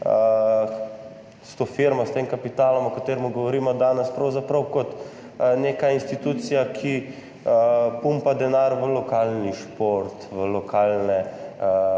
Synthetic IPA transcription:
ə | st̪ofiɾmɔst̪eːmkapit̪aːlɔmɔkat̪eːɾmuɡɔʋɔɾiːmɔd̪aːnɛspɾɐwzapɾɐwkɔt̪ | neːkainst̪it̪ut̪sijakʰi | pumpad̪ɛnaɾʋəlɔkalniʃpoɾt̪ʋəlɔkʰalnɛ

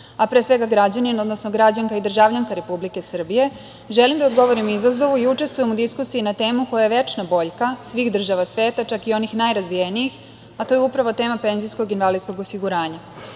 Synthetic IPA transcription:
apɾeːsʋe̞ɡaɡɾad͡ʑanino̞d̪no̞sno̞ɡɾad͡ʑaŋkaid̪r̩ʒaʋlʎaŋkaɾe̞publike̞sr̩bije̞ | ʒe̞limd̪ao̞d̪ɡo̞ʋo̞ɾimizazo̞ʋuiut͡ʃe̞st̪ʋujemud̪iskusijinat̪e̞ːmuko̞jajeʋe̞t͡ʃnabo̞ʎkasʋixd̪r̩ʒaʋasʋe̞ːt̪at͡ʃakio̞nixnajɾazʋijenijix | at̪oːjeupɾaʋo̞t̪e̞ːmape̞nzisko̞ɡinʋalisko̞ɡo̞siɡuɾaːɲa

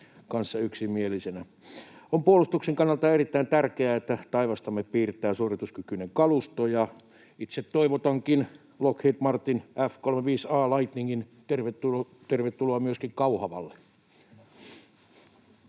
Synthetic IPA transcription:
kɑnsːɑyksimielisenæ | ompuolust̪ukseŋkɑnːɑlt̪ɑerit̪ːæint̪ærkeæet̪ːæt̪ɑiʋɑst̪ɑmːeppiːrt̪ːˑæːsurit̪uskykyneŋkɑlust̪ojɑ | it̪set̪toiʋot̪ɑŋkin | lokheːt̪mɑrt̪ːinʔæfkolmeʋiːsɑːlɑit̪niŋkint̪erʋet̪ːu | t̪erʋet̪ːuloɑmyøskikkɑuhɑʋɑ̰lːe

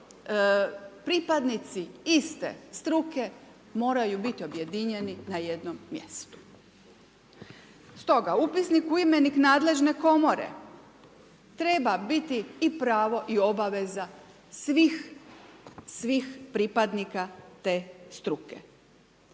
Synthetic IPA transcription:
pɾipad̪nit̪siist̪ḛst̪ɾuke̞ | mo̞ːɾajubit̪io̞bje̞d̪iɲe̞ninaje̞d̪nomːje̞̰st̪u̥ | st̪o̞ɡaupisnikujimeniknaːd̪le̞ʒne̞ko̞mo̞ɾḛ | t̪ɾe̞babit̪iːpɾaːʋo̞ʔio̞baʋe̞za | sʋix | sʋixpɾipad̪nikat̪e̞st̪ɾukḛ

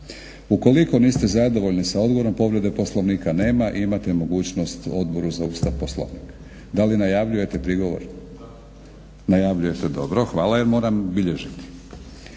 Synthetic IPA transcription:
uko̞liko̞niːst̪ezad̪o̞ʋo̞ʎnisao̞d̪ɡo̞ɾo̞mpo̞ʋɾe̞d̪e̞po̞slˠo̞ʋniːkane̞ːmaʔimat̪emo̞ɡuːt͡ɕno̞st̪o̞d̪̚bo̞ɾuzaust̪aʋposlo̰ʋnḭːk | d̪alinajaʋʎuje̞t̪e̞pɾiɡoʋo̰ɾ | najaʋʎuje̞t̪ed̪o̞bɾoxʋaːlaje̞ɾmo̞ːɾambiʎeʒit̪i̥

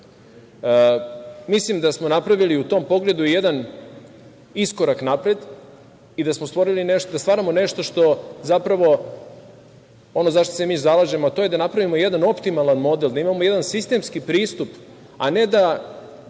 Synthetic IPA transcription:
mislimd̪asmo̞napɾaʋiliut̪o̞ːmpo̞ɡle̞d̪ujed̪an | isko̞ɾaknapɾe̞d̪ | id̪asmost̪vʋo̞ɾilineʃt̪od̪ast̪ʋaːɾamo̞ne̞ʃt̪o̞ʃt̪o̞zapɾaʋo | o̞nozaʃt̪ose̞miːzalaʒe̞moat̪oje̞d̪anapɾaʋimo̞jed̪ano̞pt̪imalˠanmo̞d̪e̞ld̪aimamo̞je̞d̪ansist̪e̞mskipɾiːst̪up | a̰ne̞d̪a

